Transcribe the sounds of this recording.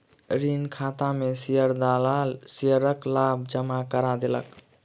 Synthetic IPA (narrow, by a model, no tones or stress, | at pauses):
ɾinkʰat̪amesijəɾd̪alasijəɾəklabʱd͡ʒəmakəɾad̪elə̰k